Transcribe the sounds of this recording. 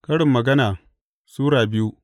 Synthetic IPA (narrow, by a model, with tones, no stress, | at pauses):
kɐ˦ɽɪ˨mːɐ˨ɡɐ˦naː˨ | suː˦ɽaː˨bɪ˦ju˦